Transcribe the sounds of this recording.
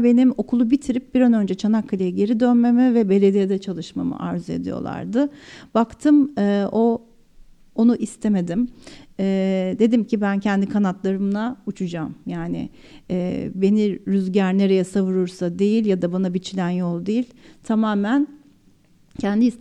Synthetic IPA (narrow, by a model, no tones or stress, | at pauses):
be̞nimo̞kʰulˠubit̪ʰiɾip̚b̥iɾanø̞nd͡ʒɛt͡ʃʰanakʰːalʲajaɟe̞ɾid̪ø̞nme̞mivɛbe̞lʲe̞d̪ijɛd̪ɛt͡ʃʰalˠɯʃma̰ma̰ʔa̰ɾzɯe̞̰d̪ijo̞̰lˠa̰ɾd̪ɯb̥akt̪ʰɯmɛːo̞ | onuʔist̪ʰe̞me̞d̪imɛːd̪e̞d̪imcʰibæncʰɛnd̪ikʰanat̪lˠaɾɯmlˠaut͡ʃʰud͡ʒamjaːnɪ̰ | ɛːbe̞niɾyzɟæɾne̞ɾejɛsavuɾuɾsad̪e̞jilʲjad̪abanabit͡ʃʰilʲænjolˠd̪ejilʲt̪ʰamaːmæn | cʰænd̪iːs